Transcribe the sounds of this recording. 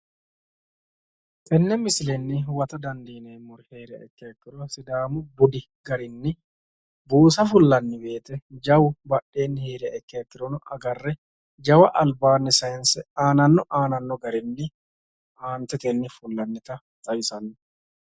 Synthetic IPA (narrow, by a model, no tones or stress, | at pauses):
ʔʼɛnːɛmɪsɪlɛnːɪwɐt̪ɐd̪ɐnd̪iːnɐjmʊɾɛheːɾɛ̰ʔɛ̰kːɪɐkːɪɾɔsɪd̪aːmʊbʊd̪ɪ | ɡ̥ɐɾɪnːɪ | buːs̬ɐfʊlːɐnːɪbe̞ːt̪ɛd͡ʒɐwbɐɗːe̞ːnːɪheːɾɐɛkːɪjakːɪɾɔnɔʔɐɡɐrːɛ | d͡ʒɐwɐʔɐlbaːnːɪsɐjɛnsɛaːnɐnːɔʔaːnɐnːɔɡɐɾɪnːɪ | ʔaːnt̪ːɛt̪enːɪfʊlːɐnːɪt̪ɐ | t̪ʼɐjɪsɐnːɪ